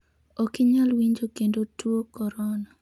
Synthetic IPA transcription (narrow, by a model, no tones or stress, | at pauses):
okɪɲalwiɲd͡ʒokendotwokɔɾɔna